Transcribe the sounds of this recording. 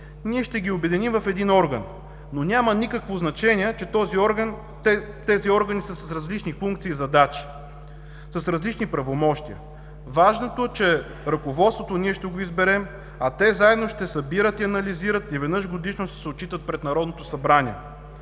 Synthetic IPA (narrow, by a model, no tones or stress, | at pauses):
niɛʃt̪ɛɡʲiobɛd̪inimvɐfɛd̪inɔɾɡɐnː | onʲamɐnikəkvoznɐt͡ʃɛniɛt͡ʃɛt̪ɔziɔɾɡn | ɛ | t̪ɛziɔɾɡɐnisəsɐsɾɐzlit͡ʃnifuŋkt̪siːzɐd̪at͡ʃi̥ | sɐsɾɐzlit͡ʃnipɾɐvomɔʃt̪iə̰ | vaʒnot̪oɛt͡ʃɛɛ | ɾɐkovɔt̪svot̪oniɛʃt̪ɛɡoizbɛɾɛm | ɐt̪ɛzaɛd̪noʃt̪ɛsɐbiɾət̪iɐnɐliziɾət̪ivɛd̪nɤʃɡod̪iʃnost̪ɛ̥sɛott͡ʃit̪ət̪̚pɾɛt̪nɐɾɔd̪not̪osɐbɾanʲiɛ